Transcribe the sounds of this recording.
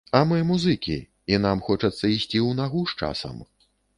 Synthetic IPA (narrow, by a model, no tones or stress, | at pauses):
ɐmɨmuzɨkʲḭ | inamxɔt͡ʂɐt̪sːɐisʲt͡sʲiwnaɣuʂt͡ʂa̰sɐ̰m